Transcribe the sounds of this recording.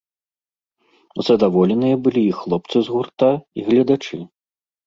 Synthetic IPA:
zɐd̪avɔlʲɛnɨjɐbɨlʲiːxlˠɔp̚t̪sɨzɣurt̪aiɣlʲɐd̪at͡ʂɨ

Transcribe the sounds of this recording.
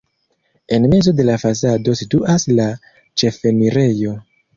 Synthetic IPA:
e̞nme̞zo̞de̞lafas̬ado̞situʔasla | t͡ʃe̞fe̞niɾe̞jo̞

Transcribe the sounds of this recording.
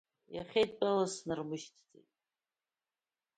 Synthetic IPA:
jaχʲejt̚ʰʼt͡pʼalasnɨrmɨʃtʰt͡sʼḛjtʼ

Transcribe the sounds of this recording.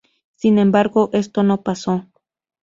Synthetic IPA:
sinembaɾɡoʔest̪onopaso

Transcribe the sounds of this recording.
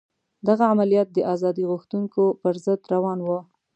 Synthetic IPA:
d̪aɣaamalijɑt̪̚d̪əʔazɑd̪iɣuxt̪uŋkopəɾzəd̪ɾawɑnwə

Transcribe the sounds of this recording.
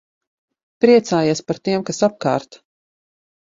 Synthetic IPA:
pɾiɛt̪saːjiɛspaɾt̪iɛmkasap̚ka̰ːɾt̪

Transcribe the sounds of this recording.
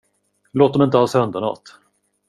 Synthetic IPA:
loːt̪̚d̪ɔmɪnt̪əhɑːsɵnd̪əɳɑ̰ːt̪

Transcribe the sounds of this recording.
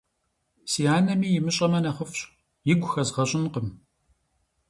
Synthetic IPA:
siːaːnɐmiːjɪmɨɕʼɐmɐnɐχəfɕʼ | jɪɡʷxɐzʁɐɕʼɪnqəm

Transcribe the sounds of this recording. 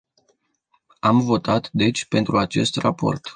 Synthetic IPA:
amvo̞t̪at̪d̪e̞t͡ʃʲpe̞nt̪ɾuat͡ʃe̞st̪rapo̞̰rt̪

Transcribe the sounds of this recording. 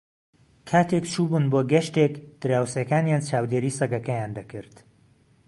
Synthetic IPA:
kʰaːt̪ʰekt͡ʃʰuːbunboːɡɐʃt̪ekd̪̥ɨɾaːwsjɐkaːnjaːnt͡ʃʰaːwd̪eːɾiːsɐɡɐkɐjaːnd̪ɐkʰɨɾt̪

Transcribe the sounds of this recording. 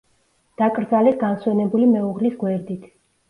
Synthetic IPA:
d̪̥akʼɾd̪zalɛt̪̚ɡanswɛnɛbulimɛuʁlisɡwɛɾd̪it̪ʰ

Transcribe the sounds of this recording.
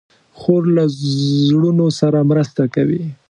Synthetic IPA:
xoɾlazɽunosaɾamɾəst̪akawi

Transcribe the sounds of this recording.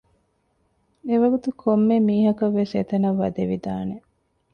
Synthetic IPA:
eʋɐɡut̪ukʰomːemiːɦɐkɐʋːeset̪ɐnɐʋːɐ̰d̪eʋḭd̪aːne

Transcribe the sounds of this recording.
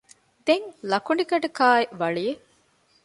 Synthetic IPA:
d̪eŋlɐkuɳɖikɐɖɐkaːeʔʋɐɭije

